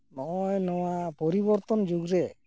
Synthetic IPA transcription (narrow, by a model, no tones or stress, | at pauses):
mɔjnɔwapɔɾibɔɾt̪ɔnd͡ʒuɡɾɛ